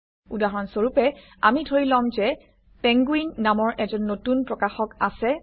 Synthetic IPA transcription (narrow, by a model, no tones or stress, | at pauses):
udaɦɔɹɔnsoɹupɛ | a̰midʰʱoɹilɔmzɛ | pɛ̃ŋɡuinːamɔɹʔɛzɔnːotunpɹɔkaxɔkasɛ